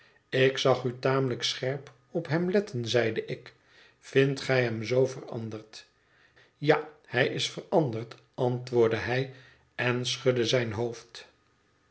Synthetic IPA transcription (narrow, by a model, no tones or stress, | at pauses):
ɪksɑχytaːmələksχɛɹp | ɔpɦɛmlɛtʰənzɛjdəʔɪk | fɪntχɛjɦɛmzowvərɑ̰ndəɹt | jahɛjɪsfərɑndərt | ɑntʋʊːɹdəɦɛj | ɛnsχɵdəzɛjnɦowft